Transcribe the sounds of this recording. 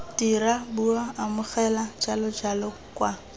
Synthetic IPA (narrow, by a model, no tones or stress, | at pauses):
tiɾabuaamʊχɛlad͡ʒalɔd͡ʒalɔ | kʼwa